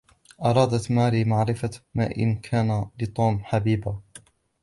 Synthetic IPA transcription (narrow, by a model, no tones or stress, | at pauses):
ʔɑɾˤɑːd̪at̪maːɾiːmaʕɾɪfamaːʔɪ̰nkʰaːnalɪt̪ˤuːmħabiːba